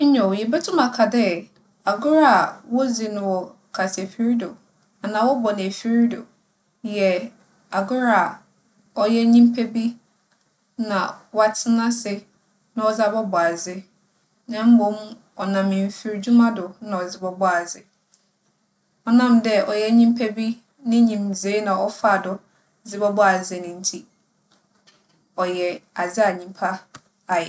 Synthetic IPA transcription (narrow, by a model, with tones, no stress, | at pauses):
ɲɔ̃˨wjɛ˨bɛ˦tʰʊ̃˦ma˨kʰa˨dɛ˦ | a˨ɡʊ˦ɾa˦˨wɔ˦zi˨nʊ̃˨wɔ˨ | kʰa˨sʰe˨fi˦ɾi˦dʊ˨ | a˨nãː˨wɔ˦bɔ˨nɪ̃˨æ˨fi˦ɾi˦dʊ̰˨ | jɛ˨ | a˨ɡʊ˦ɾa˦˨ | ɔ˦jɛ˦ɲĩ˦m̩˦pʰe˦bi˦ | nã˨wa˦tʰɪ˦nã˦sɪ˨ | nã˦ɔ˨za˦bɔ˦bɔ˨a˨zɪ˦ | nã˦m̩˦bõ˦m | ɔ˨nã˨mɪ̃˨m˨fi˨ɾd͡ʑu˦mã˦dʊ˨nã˨ɔ˨d͡zɪ˦bɔ˦bɔ˦a˨d͡zɪ˦ | ɔ˦nã˦mdɛ˦ʔɔ˨jɛ˦ɲĩ˦m˦pʰɛ˦bi˦ | nɪ̃˦ɲĩ˨mzeː˨˦nã˨ɔ˦fa˦˨dʊ˨ | d͡zɪ˦bɔ˦bɔ˦a˨zɪ˨nɪ̃˨n̩˦tʰi˦ | ɔ˨jɛ˨a˨d͡zɪ˦a˨ɲĩ˨mpʰa˦ | a˨jɛ˨